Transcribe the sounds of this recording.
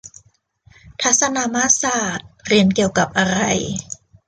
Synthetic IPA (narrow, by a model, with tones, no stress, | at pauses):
t̪ʰa˦˥t̪̚sa˧naː˧maː˦˥saː˨˩t̪̚ɾi˧˩ənki˨˩əwka˨˩p̚ʔa˧ɾa˧˩j